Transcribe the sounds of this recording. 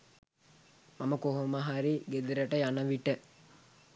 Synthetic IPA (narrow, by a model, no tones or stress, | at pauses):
maməkoɦomaɦaɾiɡed̪iɾəʈəjanəʋiʈə